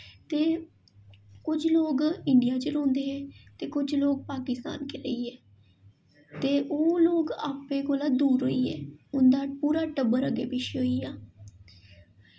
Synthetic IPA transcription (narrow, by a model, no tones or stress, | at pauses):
t̪eː | kʊd͡ʒloːɡɪɳɖɪjaːt͡ʃəɾõːnd̪eːɛ̃ːt̪eːkʊd͡ʒloːɡ̚paːkɪst̪a̰ːnkeːləiːɛː | t̪eːʔoːloːɡaːpẽːkoːlaːd̪uːɾɦoːiːɛ̰ːʊnd̪aːpuːɾaːʈəbəɾəɡeːpɪʃiɦoːiːaː